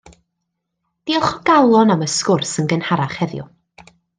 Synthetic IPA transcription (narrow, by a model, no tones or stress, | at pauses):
d̥iɔχɔɡ̥awlˠɔnaməskʊrsənɡənhaɾaχhɛðjʊ̰